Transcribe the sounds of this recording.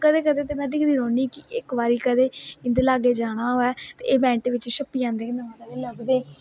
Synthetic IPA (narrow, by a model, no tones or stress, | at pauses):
kəd̪eːkəd̪eːt̪̬eːmɛ̃ːd̪ikd̪iːɾoːniːkɪʔɪkbaːɾiːkəd̪eːɪ̃nd̪elaːɡeːd͡ʒaːɽ̃aːɦoːɛːt̪ḛːʔeːbɛ̃ːɳʈːʋɪt͡ʃːʃəpːijãːnd̪eːknəʋãːd̪aleləɡd̪eː